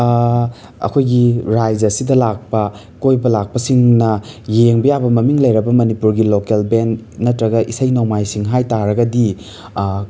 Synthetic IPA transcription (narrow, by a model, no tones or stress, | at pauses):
ɐ̰kʰojɡiɾajd͡ʒɐsidɐlak̚pɐ | kojbɐlak̚pɐsiŋnɐjeŋbɐjabɐmɐmiŋlɐjɾɐbɐmɐnipuɾɡilokelbennɐtɾɐɡɐʔisɐjnamajsiŋɦajtaɾɐɡɐdi